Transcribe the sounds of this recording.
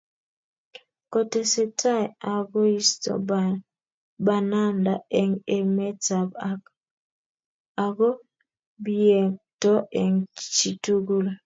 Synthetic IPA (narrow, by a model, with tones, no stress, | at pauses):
kɔ˨te˨se˦tʰa˦a˨ɡɔ˦i˦stɔ̰˨b | ba˨na˦nda˨e˨ŋe˦mɛ˦ta˨ba˦k | a˨ɡɔ˦ | bi˦e˨tɔ˦ʔe˨ŋt͡ʃi˨tu˦ɡu˦l